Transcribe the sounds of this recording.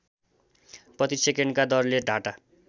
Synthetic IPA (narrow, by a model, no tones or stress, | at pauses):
prʌt̪isekenkad̪ʌrleɖʱaʈa